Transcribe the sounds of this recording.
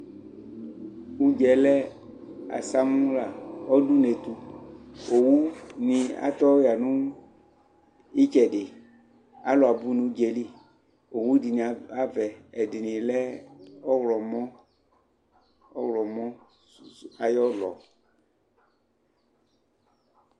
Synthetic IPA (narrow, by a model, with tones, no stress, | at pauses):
u˦d͡ʒɛ˨lɛ˦ | a̰˨sa˦mũ˦la˨ɔ˦du˦ne˨t̪u˨ | o˨wu˦nĩ˨a̰˦t̪ɔ˦ja˨nũ˦ | i˦t͡ʃɛ˨ɖɪ˨ | a˦lɔ˨a˨bu˦nũ˨u˦d͡ʒɛ˨li˦˨ | o˨wu˦di˨nĩ˨˦a˦vɛ˨ɛ˨dɪ˨nĩ˨lɛ˦ɔ˦wlɔ˨mɔ˦ | ɔ˦wlɔ˨mɔ̃˦ | a˨jɔ˦lɔ̰˨